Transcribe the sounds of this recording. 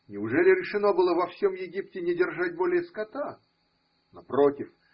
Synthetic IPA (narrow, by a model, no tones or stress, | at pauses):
nʲɪʊʐɛlʲɪɾʲɪʂɨno̞bɨlˠəvɐfsʲo̞mjɪɡʲip̚tʲɪnʲɪdʲɪrʐat̚ʲbolʲɪjəskɐt̪a | nɐpɾotʲɪf